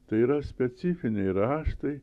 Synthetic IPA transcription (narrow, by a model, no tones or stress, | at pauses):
t̪ɐɪiɾɐsʲpʲɛt̪sʲɪfʲɪnʲɛɪɾɑːʃt̪ɐɪ